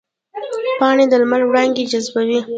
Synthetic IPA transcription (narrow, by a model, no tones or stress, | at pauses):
pɑɳed̪əlmalwɽɑŋɡed͡ʒazbawi